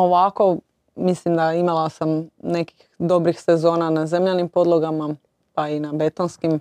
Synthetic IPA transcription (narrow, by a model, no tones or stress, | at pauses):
oʋako̞ | mislimd̪aimalˠasamne̞ki̥xd̪o̞bɾixsezo̞ːnanaze̞mʎanimpo̞d̪lˠoɡama | painabe̞t̪onskim